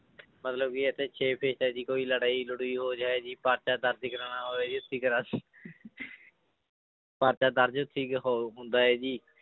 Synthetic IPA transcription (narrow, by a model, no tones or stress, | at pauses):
mət̪ləb̚kiət̪ʰẽːt͡ʃʰeːpʰeːʃt̪aːeːd͡ʒiːkoːiːləɽaːiləɽuiːɦoːd͡ʒaːeːd͡ʒiːpaːɾt͡ʃaːd̪əɾd͡ʒɪkɾaːnaːɦoːeːd͡ʒiːʊt̪ʰːiːkəɾəs | paːɾt͡ʃaːd̪əɾd͡ʒʊt̪ʰːiːkɦoɦʊ̃nd̪aːɦɛːd͡ʒiː